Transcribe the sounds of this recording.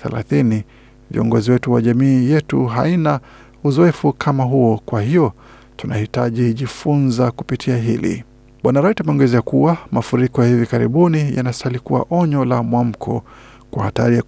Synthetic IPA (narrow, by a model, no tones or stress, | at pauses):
θɛ̰la̰θini | vḭɔŋɡɔziwɛtuwaʄamiːjɛtṵɦaina | uzɔɛfukʰamaɦuɔkwahijɔ | tunahitaʄiʄifunzakupitʰiaɦilḭ | ɓwanaɾaitamɛɔŋɡɛzɛakuwamafuɾikɔjahivikaɾḭɓunijanasalikuwa̰ʔɔɲɔlamwam̩kʰɔ̰ | kwahataɾia